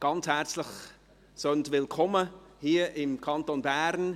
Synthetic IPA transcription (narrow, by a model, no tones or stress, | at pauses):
ɡ̥ɑnt͡shɛɾt͡slɪχ | søntvɪlkʰɔməhiːəʔɪmkʰɑntonbæːɾn